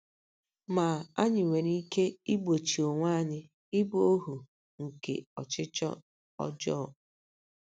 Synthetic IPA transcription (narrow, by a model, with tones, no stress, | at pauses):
ma˨a˦ɲɪ˨ŋʷe˨ɾi˦ke˦i˦ɡ͡bo˨t͡ʃi˨o˨ŋʷa˦ɲɪ˦ | ɪ˦bo˦ɦu˨ | ŋ̩˨kḛ˨ɔ˨t͡ʃɪ˦t͡ʃɔ̰˦ | ɔ̰˦d͡ʒɔ˦˨